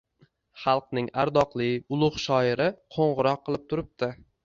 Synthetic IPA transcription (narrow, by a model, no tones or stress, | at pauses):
χɑlˠqnɪŋaɾd̪ɒqlˠɪʊlˠʊχʃɒɪɾɪqʰoɴʁɨɾɒqːɨlˠɪp̚t̪ʰʊɾɪp̚t̪ɪ